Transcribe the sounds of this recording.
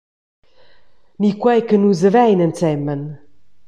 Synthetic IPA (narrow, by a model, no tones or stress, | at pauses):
mikwɛjkənuzəvɛjnənt͡sɛmːən